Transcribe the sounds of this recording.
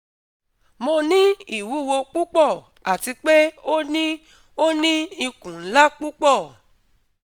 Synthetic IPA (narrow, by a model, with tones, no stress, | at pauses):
mo˧nĩ˦i˦˨wu˨˦˨wo˧k͡pu˦k͡pɔ˦˨ | a˨ti˧k͡pe˦o˦nĩ˦ | o˦nĩ˦i˧kũ˨n̩˦la˦k͡pu˦k͡pɔ˦˨